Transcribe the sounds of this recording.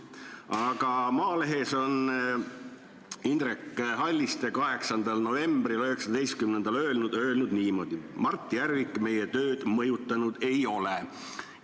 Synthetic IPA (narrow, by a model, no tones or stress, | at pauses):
ɑɡ̥ɑmɑːle̞ɦe̞so̞n | ind̪rekːɦɑlʲːist̪e̞kɑɦe̞ksɑnd̪̥ɑlno̞ve̞mbrilø̞he̞ksɑd̪e̞jst̪̚kymnend̪̥ɑløːlnud̪ø̞ːlnud̪niːmo̞d̪̥imɑrt̪ːˑijæɾvikːˑme̞je̞t̪ø̞ːd̪̥mɤjut̪ːˑɑnud̪̥e̞jo̞le̞